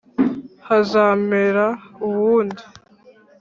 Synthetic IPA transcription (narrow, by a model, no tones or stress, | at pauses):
hazaːmeɾauβuːndi